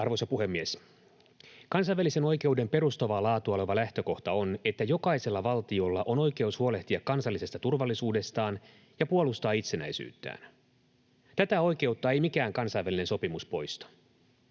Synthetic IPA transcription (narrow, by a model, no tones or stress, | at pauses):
ɑrʋojsɑpuhe̞mːies | kɑns̬ɑjʋːælːise̞no̞jk̟e̞ude̞mpe̞ɾust̪ɑʋɑlɑːt̪uoleʋɑlæht̪ø̞ko̞ht̪ɑo̞ne̞t̪ːæjo̞kɑise̞lːɑʋɑlt̪io̞lːɑʔo̞no̞jke̞ushuo̞le̞ht̪iɑkːɑnsɑlːisest̪ɑt̪urʋɑlːisuːde̞st̪ɑːn | jɑpuo̞lust̪ɑːit̪se̞næ̰jsy̰ːt̪ːæ̰ːn | t̪æt̪æo̞jk̟e̞wt̪ːɑːe̞jmikæːŋkɑnsɑjʋæline̞nso̞pimuspo̞jst̪ɑ̥